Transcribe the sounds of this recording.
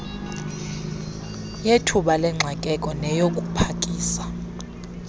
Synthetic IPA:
jetʰuɓalɛŋ͡ǁʱakʼɛkʼɔnɛjokʼupʰakʼiːsḁ

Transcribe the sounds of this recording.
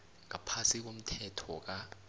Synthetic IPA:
ŋapʰasik̬om̩tʰɛtʰɔk̬a

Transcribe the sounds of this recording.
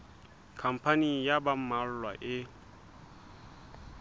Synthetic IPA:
kʰam̩pʰanijabam̩mal̩lwa̰ʔɪ

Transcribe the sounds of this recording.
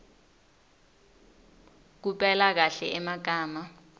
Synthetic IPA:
k̬upʼɛlak̬aɬɛʔɛmak̬aːma

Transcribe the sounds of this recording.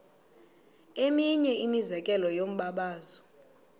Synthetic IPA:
emiɲɛinizɛkʼɛlɔjom̩ɓaɓaːzɔ̥

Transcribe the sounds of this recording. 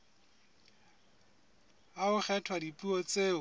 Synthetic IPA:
aʊχʰɛtʰwadipʼuɔt͡sʼeːʊ

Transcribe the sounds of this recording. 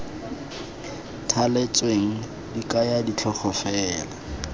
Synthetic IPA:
tʰalet͡sʼweŋ̩ | dikʼajadit͡ɬʰɔχɔfɛːla

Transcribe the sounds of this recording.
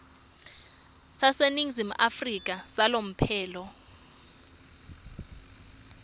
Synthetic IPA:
saseniŋzim̩ʔafrik̬ʼasalom̩pʰɛːlɔ

